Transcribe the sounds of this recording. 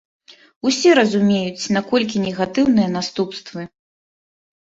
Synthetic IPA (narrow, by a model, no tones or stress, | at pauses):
usʲɛɾɐzumʲejut͡sʲnakɔlʲk̬ʲinʲɛɣat̪ɨwn̪ɨjɐnast̪upst̪vɨ